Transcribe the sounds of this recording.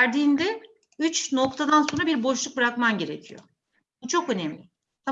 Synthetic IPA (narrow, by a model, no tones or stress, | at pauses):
æɾd̪iːnd̪ɛ | yt͡ʃno̞kt̪ʰad̪anso̞nɾabiɾbo̞ʃlˠuk̚bɯɾakmanɟe̞ɾe̞̰cʰijo̰ | but͡ʃʰo̞kø̞nɛmlʲɪ | t̪ʰa